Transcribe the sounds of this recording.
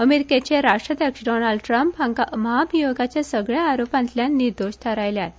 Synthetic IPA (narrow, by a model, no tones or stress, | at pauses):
əmeɾiket͡ɕeɾaʂʈɾəd̪jəkʂɖonalɖʈɾəmpaŋkaməɦapijoɡat͡ɕjasəɡɭjaːɾopãnt̪ljanːiɾd̪oɕʈʰəɾajljae